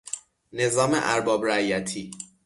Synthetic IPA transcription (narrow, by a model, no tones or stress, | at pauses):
ne̞zɒːmḛʔæɾbɒːbɾæjæt̪ʰiː